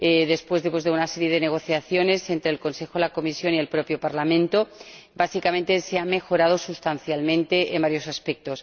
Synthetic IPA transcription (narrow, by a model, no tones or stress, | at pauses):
eðe̞spwe̞zðepwozðeunaseɾje̞ðe̞neɣ̞o̞θjaθjo̞ne̞se̞nt̪ɾeːlko̞nse̞xolako̞misjo̞nielpɾo̞pjopaɾlamẽnt̪o | basikament̪eseame̞xo̞ɾað̞o̞sust̪anθjalmẽnt̪e̞ʔembaɾjo̞saspek̚t̪o̞s